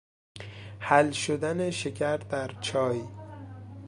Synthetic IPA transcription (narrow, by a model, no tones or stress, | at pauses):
hælʃod̪æneʃecʰæɾ̚d̪æɾt͡ʃʰɒːji